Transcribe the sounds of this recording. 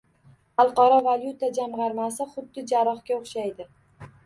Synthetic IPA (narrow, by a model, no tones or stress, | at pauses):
ɑlˠqɒɾɒvaljut̪ad͡ʒamʁɑɾmasɪχʊd̪ːɪd͡ʒaɾɒχkʲaoχʃajd̪ɪ